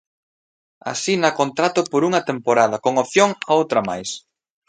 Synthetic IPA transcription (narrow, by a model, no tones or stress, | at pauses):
a̰sinɐkont̪ɾat̪ʊpoɾuŋɐt̪empoɾað̞ɐkoŋopθjoŋaowt̪ɾɐma̰js